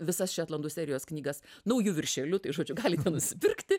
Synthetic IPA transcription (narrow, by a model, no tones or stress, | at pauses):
ʋʲɪsɐsʃʲɛːt̪lˠɐnd̪uːsʲæːɾʲɪjoːsknʲiːɡɐsnɐʊjʊʋʲɪrʲʃʲɛlʲʊt̪ɐɪʒuɔd͡ʒʲʊɡɑːlʲɪtʲɛnʊʃʲsʲɪpʲɪrkt̪ʲɪ